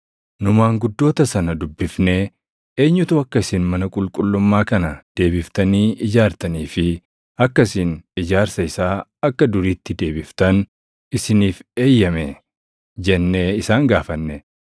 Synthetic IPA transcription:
nʊmaːŋɡʊd̪ːo̞ːt̪ɐsɐnɐd̪ʊbːɪfneː | eːɲːʊt̪ʊɐkːɐɪsɪnmɐnɐkʼʊlkʼʊlːʊmːaːkɐnɐd̪̥e̞ːbɪft̪ɐniːɪd͡ʒaːɾt̪ɐniːfɪ | ɐkːɐsɪnɪd͡ʒaːɾsɐɪsaːɐkːɐd̪ʊɾiːt̪ːɪd̪e̞ːbɪft̪ɐn | ɪsɪniːfe̞ːjːɐmɛ | d͡ʒɛnːeːɪsaːŋɡaːfɐnːɛ

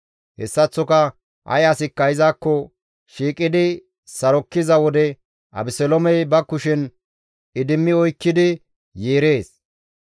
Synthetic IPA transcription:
hɛ̰sːɐt͡sːɔkɐ | ʔɐ̰jɐsɪkːɐjzaːkːɔ | ʃiːkʼɪd̪ɪ | sɐɾɔkːɪzɐwɔd̪ɛ | ʔɐ̰bɪsɛlɔmɛjbɐkːʊʃɛn | ɪd̪ɪmːɪɔjkːɪd̪ɪ | jeːɾe̞ːs

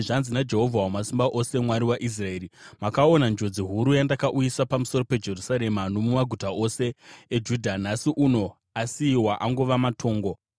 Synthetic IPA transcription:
ʐanzinad͡ʒe̞ɦo̞vʱawamasimbaʔo̞se̞mwaɾiwaʔis̬rae̞ːɾimakaonand͡ʒo̞d͡ziɦuɾujandakaʔujisapamuso̞ro̞pe̞d͡ʒe̞rusaɾe̞mano̞mumaɡʱutaʔo̞se̞ed͡ʒudʱanasiʔuno̞ | asiwaʔaŋɡo̞ʋamatʰo̞ːŋɡo̞

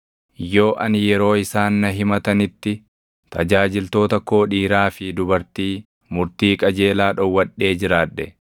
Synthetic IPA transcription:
jo̞ːʔɐnjɛɾo̞ːɪsaːnːɐɦɪmɐt̪ɐnɪt̪ːɪ | t̪ɐd͡ʒaːd͡ʒɪlt̪o̞ːt̪ɐko̞ːᶑiːɾaːfɪd̪ʊbɐɾt̪iː | mʊɾt̪iːkʼɐd͡ʒe̞ːlaːᶑɔwːɐᶑːe̞ːd͡ʒɪɾaːᶑːɛ

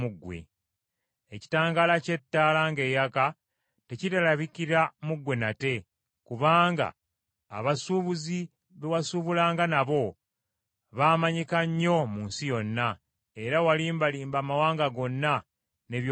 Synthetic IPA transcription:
muɡwe̞̰ | eci̥taːŋɡalace̞tːaːlaːŋɡe̞jaka | te̞ciɾalaβikiɾamuɡwe̞nate̞ | kuβaːŋɡa̰ː | βasuβuzi | βewasuβulaːŋɡanaβo̞ | βaːmaɲikaɲːo̞muːnsijo̞nːa | e̞ɾawaliːmbaliːmbaːmawaːŋɡaɡo̞nːa | ne̞βj

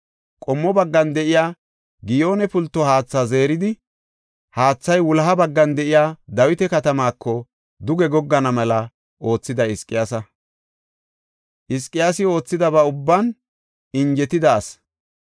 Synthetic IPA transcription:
kʼɔmːɔbɐɡːɐnd̪ɛʔɪjaː | ɡɪjo̞ːnɛpʊlt̪ːɔhaːt͡sːaze̞ːɾɪd̪ɪ | haːt͡sːɐjwʊlɐɦɐbɐɡːɐnd̪ɛʔɪjaːd̪ɐwɪt̪ɛkɐt̪ɐmaːkːɔ | d̪ʊɡɛɡɔɡːɐnɐmɛlɐ | ʔo̞ːt͡sːɪd̪ɐɪskʼːɪjaːsɐ | ʔɪskʼːɪjaːsɪo̞ːt͡sːɪd̪ɐbɐʊbːan | ɪnd͡ʒɛt̪ɪd̪ɐːs

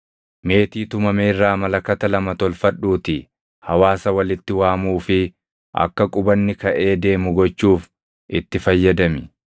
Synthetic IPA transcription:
me̞ːt̪iːt̪ʊmɐmeːrːaːmɐlɐkɐt̪ɐlɐmɐt̪ɔlfɐᶑuːt̪ɪ | hɐwaːsɐwɐlɪt̪ːɪwaːmuːfɪ | ʔɐ̰kːɐkʼʊbɐnːɪkɐʔe̞ːd̪e̞ːmʊɡɔt͡ʃːuːf | ʔɪt̪ːɪfɐjːɐd̪ɐmɪ

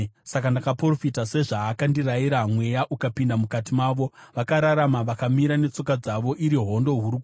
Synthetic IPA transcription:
sakandakaporofitase̞ʐaːkandiraiɾamwe̞jaʔukapindamukatimaːʋo̞ʋakaɾaɾamaʋakamiɾane̞t͡so̞kad͡zaʋo̞ʔiɾiɦo̞ndo̞ɦuɾuku

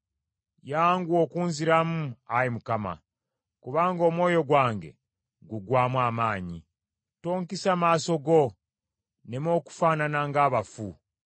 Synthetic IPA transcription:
jaːŋɡwo̞kuːnziɾamuajimukama̰ | kuβaːŋɡo̞ːmwo̞ːjo̞ɡwaːŋɡe̞̰ | ɡuɡwaːmwaːmaːɲḭ | toːŋkisamaːso̞ɡo̞ | ne̞mo̞ːku̥faːnanaŋɡaːβafu

